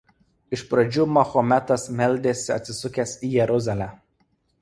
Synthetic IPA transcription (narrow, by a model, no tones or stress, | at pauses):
ɪʃpɾɐd͡ʒʲuːmɐxɔmʲæt̪ɐsmʲɛlʲˑd̪ʲeːsʲɪɐ̰t̪ʲsʲɪsʊkʲɛsiːjɛɾʊzɐlʲæ